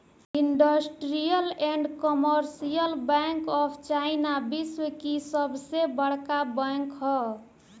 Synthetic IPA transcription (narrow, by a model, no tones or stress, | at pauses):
iɳɖəsʈɾijəleɳɖkɔməɾsijəlbɛ̃ŋkɔpʰt͡ʃaɪnabiswəkisəbsebəɽkabə̃ŋkɦɔ